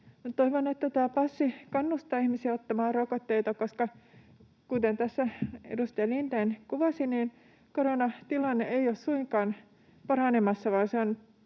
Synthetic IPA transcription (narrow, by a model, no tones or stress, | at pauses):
mut̪t̪oiʋonet̪ːæt̪æːpɑsːikɑnːust̪ɑːihmisiæot̪ːɑmɑːrokot̪ːeit̪ɑkoskɑ | kut̪ent̪æsːæḛdust̪elint̪enkuʋɑsiniːn | koɾonɑt̪ilɑnːeeiossuiŋkɑːn | pɑrɑnemɑsːɑʋɑːnseon